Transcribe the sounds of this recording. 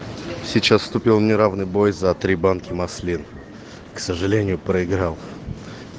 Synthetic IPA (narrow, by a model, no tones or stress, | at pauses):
sʲɪt͡ɕasst̪ʊpʲilˠnʲɪɾavnɨjbojzɐt̪ɾʲibankʲɪmɐsʲlʲin | ksəʐɨlʲenʲɪjʊpɾəɪɡɾalˠ